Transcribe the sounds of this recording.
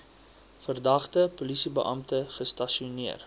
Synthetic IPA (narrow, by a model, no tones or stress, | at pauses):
fərdɐχtəpulisibəʔɐ̰mtəχəstɐʃiuniər